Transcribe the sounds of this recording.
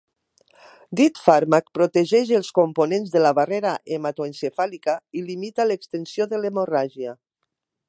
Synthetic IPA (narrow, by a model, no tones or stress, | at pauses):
d̪it̪faɾmak̚pɾot̪eʒɛʒelˠskomponenzðelaβareɾaʔemat̪oensefalikailimit̪alekst̪ensijoðelemoraʒja